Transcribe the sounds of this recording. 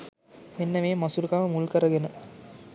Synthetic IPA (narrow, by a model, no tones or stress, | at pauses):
menːəʋeːmɐsuɾukaːʋəmulkəɾəɡenə